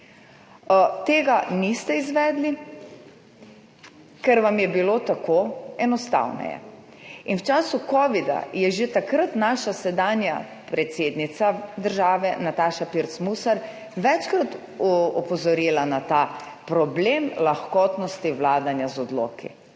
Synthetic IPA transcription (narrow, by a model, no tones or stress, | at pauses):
t̪eːɡanist̪ɛizʋɛːd̪li | kɛɾʋamjɛbilot̪akoɛnɔst̪a̰wnɛ̰jɛ̰ | inwt͡ʃaːsukɔːʋid̪a̰jɛʒet̪akɾət̪naːʃasɛd̪aːnja | pɾɛt̪seːd̪nit̪sad̪əɾʒaːʋɛnat̪aːʃapiɾt̪smusaɾ | ʋɛt͡ʃkɾat̪ | ɔpɔzɔɾiːlanat̪aː | pɾɔblemlaxkɔːt̪nɔst̪iwlaːd̪anjazɔd̪lo̰ːkḭ